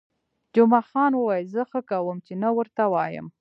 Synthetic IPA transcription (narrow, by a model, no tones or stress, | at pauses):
d͡ʒʊmɑxɑnwəwɑjzəxəkawəmt͡ʃenawəɾt̪awɑjə̰m